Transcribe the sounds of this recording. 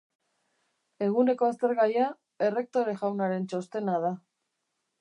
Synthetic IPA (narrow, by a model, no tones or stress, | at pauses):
e̞ɣ̞une̞ko̞ast̪eɾɣaja | e̞re̞k̚t̪o̞ɾe̞ʝawnaɾe̞nt͡ʃo̞st̪e̞nað̞a